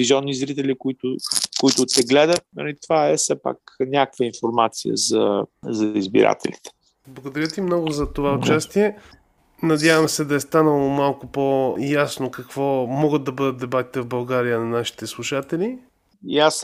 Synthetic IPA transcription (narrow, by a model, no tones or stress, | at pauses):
iziɔnːizɾit̪ɛlikʊit̪ʊkʊit̪ʊt̪ɛɡlɛd̪ət̪̚nɐ̰it̪vaɛsɛpa̰knʲakvəinfoɾmat̪sḭjə̰zɐ̰zɐizbḭɾa̰t̪ɛ̰lḭt̪ɛ̥ | blˠɐɡod̪ɐɾʲət̪imnɔɡʊzɐt̪ovaʊt͡ʃast̪iɛ | nɐd̪ʲjavəmsɛd̪ɐɛst̪anəlˠomalˠkopojasnokɐkv̥ɔmɔɡət̪̚ːɐbəd̪ət̪̚d̪ɛbat̪i̥t̪ɛvbɐlˠɡaɾijənɐnaʃi̥t̪ɛslˠuʃat̪ɛli | jas